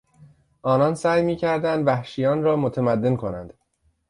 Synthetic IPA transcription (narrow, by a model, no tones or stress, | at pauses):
ʔɒːnɒnsæːjmiːcʰæɾd̪ænd̪væhʃijɒːnɾɒːmot̪ʰemæd̪ːe̞nkʰo̞næ̰nd̪̥